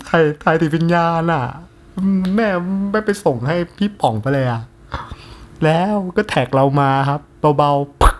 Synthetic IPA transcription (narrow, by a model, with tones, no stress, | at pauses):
t̪ʰa˧˩jt̪ʰaː˧˩jt̪ʰiː˨˩p̬e˧njaː˧nʔa˨˩ | mɛː˥˩ma˥˩jpa˧jso˨˩ŋɦa˥˩jpʰiː˥˩pɔ˨˩˦ŋpa˧jla˧jʔa˨˩ | lɛː˦˥wkɔː˥˩t̪ʰɛː˨˩k̚ɾa˧wmaː˧kʰa˦˥p̚ba˧wba˧w